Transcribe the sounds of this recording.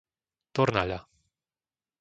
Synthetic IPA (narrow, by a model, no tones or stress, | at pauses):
t̪oɾnala